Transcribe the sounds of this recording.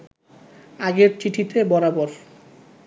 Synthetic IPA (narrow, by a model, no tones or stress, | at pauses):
aɡeɾt͡ɕiʈʰit̪ebɔɾabɔɾ